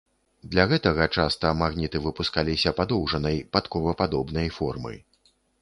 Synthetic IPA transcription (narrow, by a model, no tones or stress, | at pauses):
d̪lʲaɣɛt̪ɐɣɐt͡ʂast̪ɐmaɣnʲit̪ɨvɨpuskalʲisʲɐpad̪ɔwʐɐnɐjpat̪kɔvɐpad̪ɔbnɐjfɔrmɨ̰